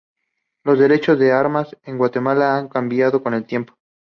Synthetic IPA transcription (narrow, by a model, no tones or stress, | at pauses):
lo̞zðe̞ɾe̞t͡ʃo̞zðe̞aɾmase̞ŋɡwat̪e̞malaaŋkambjað̞o̞ko̞ne̞lt̪je̞mpo̥